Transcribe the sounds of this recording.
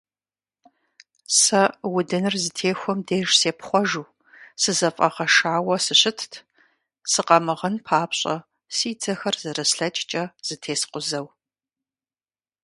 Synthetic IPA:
sɐwʊdɨnɨrzɨtʰeːxʷɔmdeːʒseːpχʷɔʒuː | sɨzɐfʼɐʁɐʃaːwɐsɨɕɪtʰtʰ | sɨqɐmɨʁɐnpʰaːpɕʼɐ̰ | siːd͡zɐxɐrzɐrɐsɬɐt͡ʃʼt͡ʃʼɐz̥ɨtʰeːsqʷʊzɐw

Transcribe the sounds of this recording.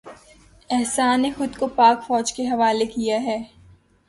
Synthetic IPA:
ɛɦsaːnːexʊd̪kopaːkfɔːd͡ʒkeɦɐʋaːlekijaɦɛː

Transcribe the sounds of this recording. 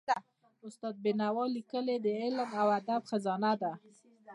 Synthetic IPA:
ʊst̪ɑd̪̚bɪnawɑlikəled̪əɪlmawad̪abxazɑnad̪a

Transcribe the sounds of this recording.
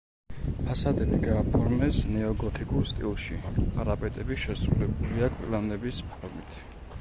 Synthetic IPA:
pʰasad̪ɛliɡaːpʰɔɾmɛsnɛɔɡɔt̪ʰikʼuɾst̪ʼḭlˠʃiaɾapʼɛt̪ʼɛbiʃɛsɾulɛbuliakʼpʼilanɛbispʰɔɾmit̪ʰ

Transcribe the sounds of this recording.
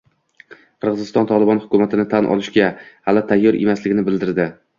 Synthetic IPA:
qʰɨɾʁɨzɪst̪ɒnt̪ʰɒlˠɪbɒnhʊkʲʊmat̪ʰɪnɪt̪ʰanʔɒ̰lˠɪʃɡʲahalɪt̪ʰajːɒɾʔḛmaslɪɡʲɪnɪbɪld̪ɪɾd̪ɪ

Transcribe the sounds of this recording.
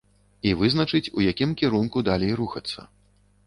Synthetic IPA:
ivɨznɐt͡ʂɨt͡sʲṵjakʲimkʲiɾunkud̪alʲejɾuxɐt̪sːɐ̰

